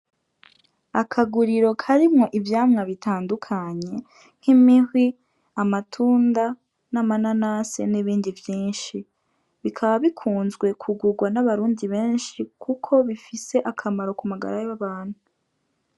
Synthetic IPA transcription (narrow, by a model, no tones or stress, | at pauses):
akʰaɡuɾiɾo̞kʰaɾimŋo̞ʔivjaːmŋaβitaːndukʰaɲe̞ | ŋ̥himihwi | amatʰuːnda | namananasḛniβiːndivjiːnʃi | βikʰaβaβikʰuːnzɡwe̞kʰuɡuɡwanaβaɾuːndiβe̞ːnʃikʰukʰo̞βifise̞ʔakʰamaɾo̞kumaɡa̰ɾajaβaːn̥huu